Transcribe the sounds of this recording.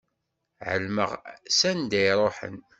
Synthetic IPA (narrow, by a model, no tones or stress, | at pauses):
ʕə̰lmə̰ʁsænd̪æjɾˤoħə̰n